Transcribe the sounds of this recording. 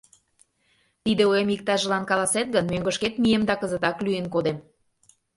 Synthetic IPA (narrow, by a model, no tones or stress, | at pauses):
t̪id̪eojemik̚t̪ɑʒə̆lɑnkɑlɑset̪̚ɡənmøŋɡə̆ʃket̪miemd̪ɑkəzə̆t̪ɑklyenkod̪em